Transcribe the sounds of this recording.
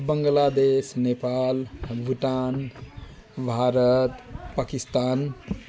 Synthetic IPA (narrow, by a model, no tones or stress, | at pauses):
bəŋɡlad̪esnepalbʱuʈan | bʱaɾət̪pakist̪aːn